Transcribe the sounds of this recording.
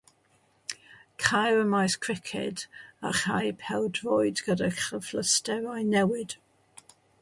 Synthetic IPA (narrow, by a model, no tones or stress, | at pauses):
kʰajwəmajskʰɹɪkʰɪ̰daχajpʰɛwdvoɨdɡədaχəfləstɛvajnɛwɪd̥